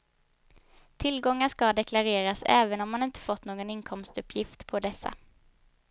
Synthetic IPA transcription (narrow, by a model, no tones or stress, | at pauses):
t̪ʰɪlɡɔŋːaʂkad̪ɛkʰlaɾeːɾasɛ̰ːvənɔmːanɪnt̪ʰə̥fɔt̪ːnoːɡɔnɪnkʰɔmst̪ɵpʰːjɪft̪pʰɔd̪ɛsːa̰